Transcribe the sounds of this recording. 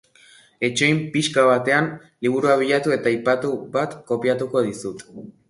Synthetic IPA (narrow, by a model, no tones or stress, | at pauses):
e̞t͡ʃo̞jmpiʃkaβ̞at̪e̞an | liβ̞uɾuaβ̞iʎat̪ue̞t̪aajpat̪uβat̪ko̞piat̪uko̞ðisut̪